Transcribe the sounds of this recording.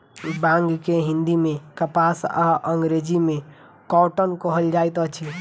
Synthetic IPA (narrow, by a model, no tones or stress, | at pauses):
bãŋɡkeɦĩnd̪imekəpasaʔəŋɡɾed͡ʒime | kɔwʈənkɔɦəld͡ʒajt̪ət͡ʃʰi